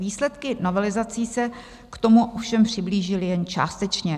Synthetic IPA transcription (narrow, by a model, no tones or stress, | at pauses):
viːslɛt̪kɪno̞vɛlɪzat͡siːsɛ | kt̪o̞muʔofʃɛmpr̝̥ɪbliːʒɪlɪjɛnt͡ʃa̰ːst̪ɛt͡ʃɲɛ